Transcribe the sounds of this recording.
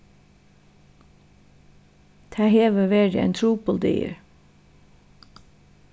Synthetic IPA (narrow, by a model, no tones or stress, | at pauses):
t̪ʰæːheːʋəʋeːdɪ̰ɛ̰ːnt̪ʰɾuːbɔld̪ḭːə̰ɹ